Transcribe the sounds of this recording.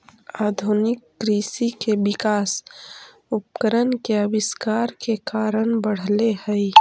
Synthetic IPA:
aːd̪ʱʊnɪkːɾiːsikebɪkaːs | ʊp̚kəɾənkeəbɪskaːɾkekaːɾənbəɽ̤lehɛi

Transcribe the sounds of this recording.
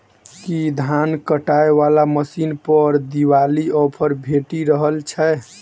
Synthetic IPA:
kid̪ʱankəʈaeʋalaməsinpəɾd̪iwaliɔpʰəɾbʱeʈiɾəɦəlt͡ʃʰɛ

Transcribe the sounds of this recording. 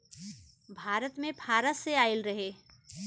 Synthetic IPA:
bʱaːɾət̪mẽbʰʱaːɾəseaːɪlɾəɦe

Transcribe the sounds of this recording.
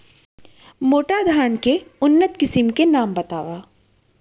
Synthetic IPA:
moːʈad̪ʱaːnkeʊnːət̪kɪsɪmkenaːmbɐt̪aːʋaː

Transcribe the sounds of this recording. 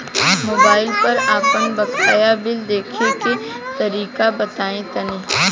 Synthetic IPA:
moːbaːɪlpɐɾaːpənbɐkaːjabɪld̪eːkʰeke | t̪ɐɾiːkabɐt̪aːẽt̪ɐneː

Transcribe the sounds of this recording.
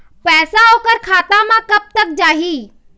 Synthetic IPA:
pɛːsaokəɾkʰaːt̪ãmãkəp̚t̪ək̚d͡ʒaːɦiː

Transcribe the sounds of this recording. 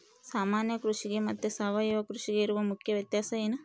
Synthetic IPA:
saːmaːnjɐkɾuʂiɡemɐt̪ːusɐʋɐjuʋɐkɾuʂiɡeiɾuʋɐmukʰjɐʋjɐt̪jaːsɐjeːnɐ

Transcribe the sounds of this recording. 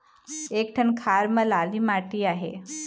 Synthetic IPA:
ek̚ʈʰənkʰaɾməlalimaʈiːaɦḛ

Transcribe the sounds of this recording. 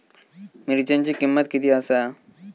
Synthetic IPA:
meːɾit͡ʃɐ̃nd͡ʒikɪmːət̪kit̪iasa

